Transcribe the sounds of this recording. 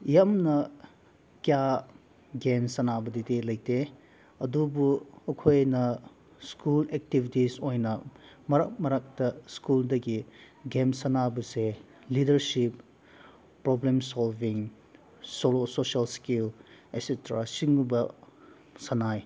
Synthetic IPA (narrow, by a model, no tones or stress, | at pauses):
jamnɐ | kija | ɡemsɐnabɐdidilɐjtʰe | ɐdubuɐkʰojnɐ | skulek̚tibʱitisojnɐ | mɐɾɐk̚mɐɾak̚tɐskuldɐɡi | ɡemsɐnabɐse | lidɐɾsip̚ː | ɾoblemsalbiŋ | solososɐlskilesetɾasiŋubɐ | sɐnaj